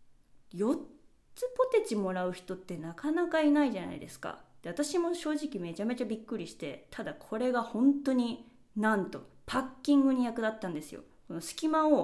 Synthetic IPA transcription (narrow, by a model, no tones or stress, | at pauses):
jo̞ | t͡sɨpo̞t̪e̞t͡ɕimo̞ɾaɯ̟çi̥t̪o̞t̪ːe̞nakanakainaiʑana̰ḭd̪e̞sɨ̥ka̰d̪̥e̞βat̪aɕimo̞ɕo̞ːʑikʲime̞t͡ɕame̞t͡ɕabʲikːɯɾʲiɕi̥t̪e̞t̪ʰad̪akʰo̞ɾe̞ɡahõ̞nt̪o̞ɲ̟i | nãnt̪o̞̰pʰakʲːĩŋɡɯ̟ɲ̟ijakɯ̟d̪at̪ːãnd̪e̞sɨjo̰ | ko̞no̞sɨ̥kʲimao